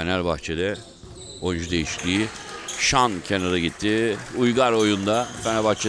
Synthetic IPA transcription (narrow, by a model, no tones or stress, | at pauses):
enælbaxt͡ʃʰed̪ɛ | o̞jnd͡ʒud̪e̞jiʃt̪ʰiːʃancʰe̞naɾaɟit̪ʰːiujɡaɾo̞jund̪afenælʲbaxt͡ʃʰe